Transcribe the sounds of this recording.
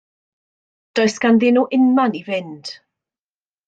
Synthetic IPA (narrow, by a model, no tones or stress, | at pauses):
d̥ɔɨsɡ̥anðɪnuʔɪnmanivɪnd̥